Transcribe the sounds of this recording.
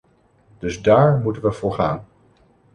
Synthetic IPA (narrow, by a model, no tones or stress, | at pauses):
d̥ɵzdaːɹmutənʋəv̥ʊːɹχaːn